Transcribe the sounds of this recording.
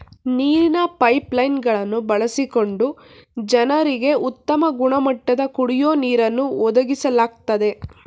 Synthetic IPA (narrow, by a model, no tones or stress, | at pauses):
niːɾinɐpɐjplɐjnɡɐɭɐnːubɐɭɐsiko̞ɳɖu | d͡ʒɐnɐɾiɡe̞ʔut̪ːɐmɐɡuɳɐmɐʈːɐd̪ɐkuɽijoːniːɾɐnːuɔd̪ɐɡisɐlaːɡ̚t̪ɐd̪e̞